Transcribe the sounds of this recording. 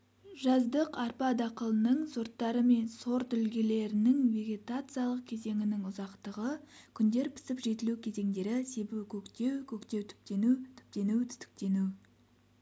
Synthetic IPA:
ʒɑzd̪əqɑɾpɑd̪ɑqəlˠənəɴso̞ɾt̪ːɑɾəme̞nso̞ɾt̪ʏlɡʲe̞le̞ɾɪnɪŋve̞ɡʲe̞t̪at̪sɨjalˠəq̚kʲʰe̞ze̞ŋɪnɪŋʊzɑqt̪əʁəkʲʰʏnd̪e̞ɾpʰɪ̥sɪpʒe̞t̪ɪlukʲʰe̞ze̞ŋd̪e̞ɾɪse̞bɪwkʲʰɵkt̪e̞wkʲʰɵkt̪e̞wt̪ʰʏ̥p̚t̪ent̪ʰʏ̥p̚t̪e̞nut̪ʰʏ̥st̪ɪ̥k̚t̪e̞nu

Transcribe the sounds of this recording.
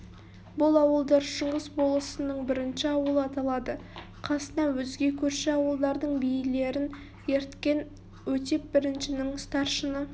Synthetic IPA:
bʊlˠɑwəlˠd̪ɑɾʃəɴʁəsbo̞lˠəsənəɴbɪɾɪnʃɪɑwəlˠəɑt̪ɑlˠɑd̪ə | qʰɑsənɑwɵzɡʲe̞kʲʰɵɾʃeɑwəlˠd̪ɑɾd̪əɴbijɪle̞ɾɪn | je̞ɾt̪kʲe̞n | wɵt̪e̞p̚bɪɾɪnʃɪnɪŋst̪ɑɾʃənə

